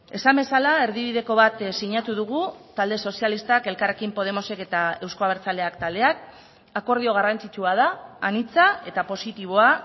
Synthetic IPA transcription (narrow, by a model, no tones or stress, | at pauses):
e̞sambe̞salae̞ɾðiβ̞iðe̞ko̞β̞at̪siɲat̪uðuɣut̪ald̪e̞so̞sialist̪ake̞lkare̞kimpo̞ð̞e̞mo̞se̞ke̞t̪ae̞wskoaβeɾt͡sald̪e̞akt̪ald̪e̞ak̚ | ako̞ɾð̞io̞ɣ̞arant͡sit͡ʃuað̞aːnit͡sae̞t̪apo̞sit̪iβ̞o̞a